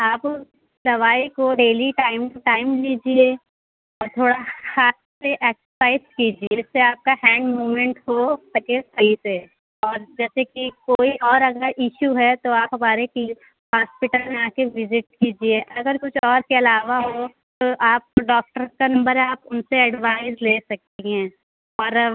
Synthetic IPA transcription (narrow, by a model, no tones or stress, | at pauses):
aːp | d̪ɐʋaːikoɖeːliʈaːɪmʈaːɪmliːd͡ʒie | ɔːɾt̪ʰoːɽahaːt̪seʔɛːkssaːɪskiːd͡ʒieɪsːeaːp̚kahɛ̃ːɳɖmuːmẽɳʈɦosɐkesɐise | ɔːɾd͡ʒɛːsekikoːiʔɔːɾɐɡəɾɪʃuɦɛt̪oaːpɦɐmaːɾeki | ɦaːspɪʈəlmeaːkeʋɪzɪʈ̚kiːd͡ʒieʔɐɡəɾkʊt͡ʃʰɔːɾkeɐlaːʋaɦo | t̪oʔaːp̚ɖɔːk̚ʈəɾkanɐ̃mbəɾɦɛaːpʊnseɛɖʋaːɪzleːsɐk̚t̪iɦɛ̃ː | ɔːɾ